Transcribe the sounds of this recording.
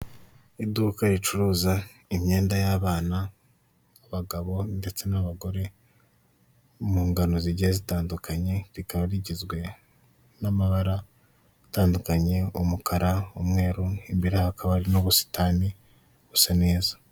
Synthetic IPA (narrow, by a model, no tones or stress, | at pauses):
iduːkaɾit͡ʃuɾuːza | imɲe̞ːndajaːβaːnaː | βaɡaβo̞nde̞t͡se̞naβaɡo̞ɾe̞ | muːŋɡano̞ziɟiazitaːndukaɲe̞ɾikaβaɾiɟizɡwe̞ | namaβaɾa | ataːndukaɲe̞umukaɾaumŋe̞ːɾuimbiɾehakʰaβaɾinoβusi̥tʰaːni | ɡusane̞ːzḁ